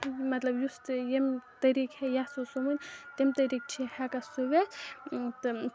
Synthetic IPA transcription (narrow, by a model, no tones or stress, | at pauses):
mɐt̪lɐbjust̪jemt̪ɐɾikhɛjasosomunt̪emt̪ɐɾiːk̚t͡ʃʰihɛkasuʋe | t̪ɨ